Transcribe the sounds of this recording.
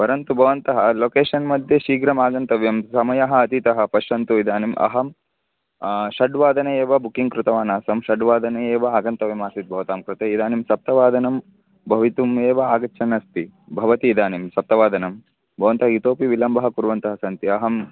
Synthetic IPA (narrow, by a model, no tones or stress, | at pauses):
pɐɾɐnt̪ubʱɐʋɐnt̪ɐɦɐloːkeːʂɐnmɐd̪jɐʃiːɡɾɐmaːɡɐnt̪ɐʋjɐmsɐmɐjɐɦɐɐt̪it̪ɐɦɐ̆pɐʃɐnt̪uid̪aːnimʔɐ̰ɦɐm | ʃɐɖʋaːd̪ɐnɐeːʋɐbukiŋkɾut̪ɐʋaːnaːsɐmʃɐɖʋaːd̪ʱɐnɐeːʋɐaːɡɐnt̪ɐʋjɐmaːsit̪̚bʱɐʋɐt̪aːmkɾut̪eːid̪aːnimsɐp̚t̪ɐʋaːd̪ʱɐnɐm | bʱɐʋit̪umeːʋɐaːɡɐtːt͡ʃʰɐnɐst̪ibʱɐʋɐt̪iːd̪aːnimsɐp̚t̪ɐʋaːd̪ʱɐnɐm | bʱɐʋɐnt̪ɐɦɐit̪oːpiʋilɐmbɐɦɐkuɾʋɐnt̪ɐɦɐsɐnt̪iɐɦɐm